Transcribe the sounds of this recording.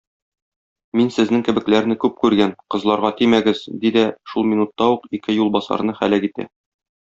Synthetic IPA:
minsɘ̆znɘŋkɘ̆bɘ̆klæɾnɘkʉp̚kʉɾɡænqɤ̆zlˠɑɾʁɑt̪imæɡɘzd̪id̪æʃulˠminut̪ːɑuqikɘjulˠbɒsɑ̰ɾnɤχæ̰lækit̪æ̰

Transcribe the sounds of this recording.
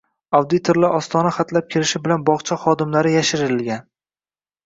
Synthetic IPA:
ɒwd̪ɪt̪ʰoɾlɪʔɒst̪ʰɒnaχat̪lap̚kʲʰɪɾɪʃɪbɪlanbɒʁt͡ʃʰaχɒd̪ɪmlaɾɪjaʃɪɾɪɾɪlɡʲan

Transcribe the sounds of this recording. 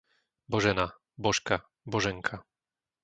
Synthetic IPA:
bɔʒɛna | bɔʃka | bɔʒɛŋkʰa

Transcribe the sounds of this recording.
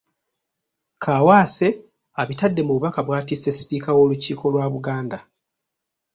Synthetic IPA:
kʰaːwaːse̞ | aβitadːe̞muβuβakaβwaːtiːse̞si̥piːkawo̞ːluciːkʰo̞lwaːβuɡaːnda

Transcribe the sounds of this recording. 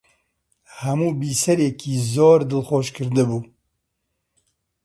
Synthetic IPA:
hɐmuːbiːsɛɾekʰiːzoːɾd̪ɨlxoːʃkʰɨɾd̪ɨbuː

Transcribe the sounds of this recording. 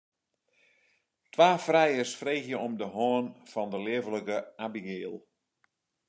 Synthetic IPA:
tʋaːfrɛjəsfrejxjəɔmdəɦɔːnfɔndəlɪəvələkəabiɡɪːlˠ

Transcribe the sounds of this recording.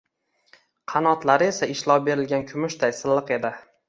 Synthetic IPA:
qʰɑnɒt̪laɾɪe̞saɪʃlˠɒwbe̞ɾɪlɡʲankʰʊmʊʃt̪ʰajsɪlːɨqe̞d̪ɪ

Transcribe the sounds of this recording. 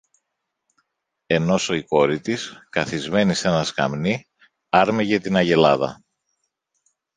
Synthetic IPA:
e̞no̞so̞iko̞ɾit̪iskɐθizme̞nise̞nɐskɐ̰mni | ɐɾmeʝet̪inɐʝe̞lɐðɐ̰

